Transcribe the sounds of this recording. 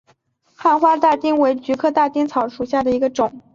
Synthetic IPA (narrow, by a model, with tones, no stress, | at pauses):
xa˥˩nxwa˥t̪a˥˩t̪i˥ŋwe˧˥ɪt͡ɕy˧˥kʰɤ˥˧t̪a˥˩t̪i˥ŋt͡sʰɑ˧˥ʊʂu˨˩ɕja˥˩d̪ə˩i˧˥ɡə˧ʈ͡ʂʊ˨˩˦ŋ